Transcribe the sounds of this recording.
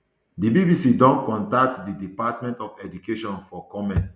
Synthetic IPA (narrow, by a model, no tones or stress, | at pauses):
dibibisidɔ̃nkɔ̃ntak̚tdidipatmɛ̃ntɔfɛd͡ʒukeʃɔ̃nfɔkɔmɛ̃nt